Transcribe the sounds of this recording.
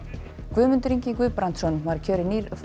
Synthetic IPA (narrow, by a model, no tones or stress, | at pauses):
kvʏːmʏnt̪ɾiɲciŋkʏpɾant̪sɔnvaɾ̥cʰœːɾɪniːɾ